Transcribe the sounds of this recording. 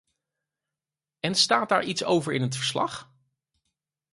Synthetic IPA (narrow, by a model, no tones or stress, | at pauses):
ɛnstaːt̚daːɹʔitso̰wvəɹɪnɦətfəɹslɑχ